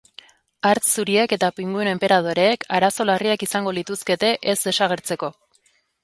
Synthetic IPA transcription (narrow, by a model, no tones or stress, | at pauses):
aɾt͡ssuɾieke̞t̪apiŋɡuene̞mpe̞ɾað̞o̞ɾe̞ːkʰaɾaso̞lariakisaŋɡo̞lit̪uske̞t̪e̞ʔezd̪e̞saɣ̞e̞ɾt͡se̞ko̞